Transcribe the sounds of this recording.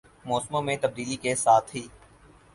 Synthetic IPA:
mɔːsmõmẽt̪əb̚d̪iːlikesaːt̪ʰɦiː

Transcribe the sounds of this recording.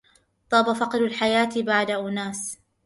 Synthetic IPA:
t̪ˤɑːbafɑqɾʊlħajaːt̪baʕd̪aʔʊnaːs

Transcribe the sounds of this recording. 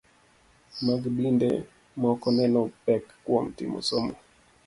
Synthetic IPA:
maɡbindḛ | mɔkɔnɛnɔpɛkkwɔm̩tḭmo̰somo

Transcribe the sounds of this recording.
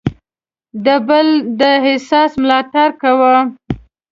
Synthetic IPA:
d̪əbəld̪əɦɪsɑsmlɑʈaɾkawa

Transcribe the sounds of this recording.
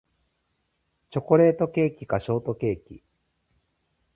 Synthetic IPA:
t͡ɕo̞ko̞ɾe̞ːt̪o̞ke̞ːkʲikaɕo̞ːt̪o̞ke̞ːkʲi

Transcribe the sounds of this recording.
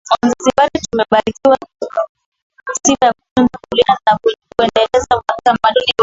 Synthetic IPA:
wanzaziɓaɗitumɛɓaɾikiwa | sikaja | ɔnkulianakkuɛndɛlɛzauaitamaɗuni

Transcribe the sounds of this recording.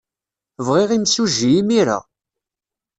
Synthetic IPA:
vʁɪʁimsuʒːiimiɾa̰

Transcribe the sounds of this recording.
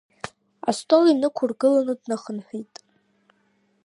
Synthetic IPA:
a̰stʼolinɨkʷʰʊrɡɨlanɨdnaχənħʷᶣitʼ

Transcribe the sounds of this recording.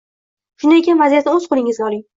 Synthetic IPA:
ʃʊnd̪aekʲanvazijat̪aɵz̥qʰʊlˠɪŋɪzʲɒlɪŋ

